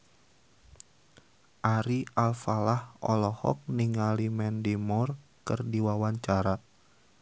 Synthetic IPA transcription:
ʔaɾiʔalfalahɔlɔhɔ̰k̚niŋalimɛndimɔrkɨrdiwawaɲt͡ʃaɾa

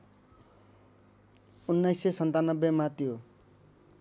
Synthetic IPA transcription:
unːajsːesʌnt̪anʌbːemat̪jo

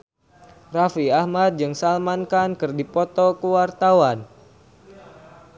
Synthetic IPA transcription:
rafiahmat̪̚d͡ʒɨŋsalmankankɨrdipɔt̪ɔkəwart̪awan

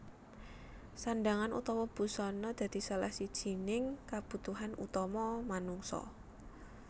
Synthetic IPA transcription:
sanɖaŋanṵt̪ɔwɔb̥ṳsɔnɔd̪̥ä̤d̪̥i̤səla̰hsid̥ʒ̥i̤nɪŋkab̥ṳt̪uɦanṵt̪ɔmɔmanuŋsɔ̰

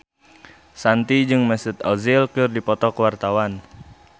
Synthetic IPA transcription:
sant̪id͡ʒɨŋməsət̪ɔzɪlkɨrdipɔt̪ɔkəwart̪awan

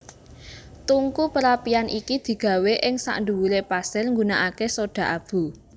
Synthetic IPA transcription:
t̪uŋkupəɾapianʔikid̪̥i̤ɡ̥ä̤weʔɪŋsa̰ʔnɖuwulepasɪlŋɡunaʔakesoɖ̥ä̤ʔab̥ṳ

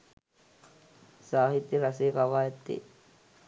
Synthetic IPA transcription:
sɑːhit̪ːirɑsikɑʋɑet̪ːḭ

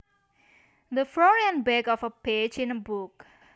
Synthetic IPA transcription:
d̪əflɔɹiə̃nbɛɡɔfəped͡ʒĩnəbuk̚

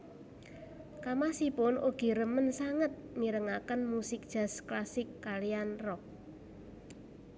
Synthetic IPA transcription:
kamasipʊnʔoɡ̥i̤ɾəmənsaŋət̪̚miɾəŋakənmusɪk̚d̥ʒ̥a̤sklasɪkːalijanrɔk̚

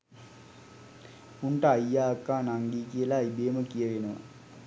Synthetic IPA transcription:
uɳʈəajːaːkːaːnaŋɡiːkijəlaibeːməkijəʋenəʋə̰

